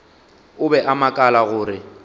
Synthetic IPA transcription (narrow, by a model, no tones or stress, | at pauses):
ʊbɛʔamakʼalaɣʊːɾɪ